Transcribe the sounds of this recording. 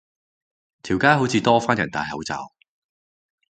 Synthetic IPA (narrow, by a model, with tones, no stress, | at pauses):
t̪ʰiː˨˩wkaː˥ɦo˨˥wt͡sʰiː˧t̪ɔː˥faː˥njɐ˨˩nt̪a̰ː˨˧jhɐ˨˥wt͡sa̰ː˨˩w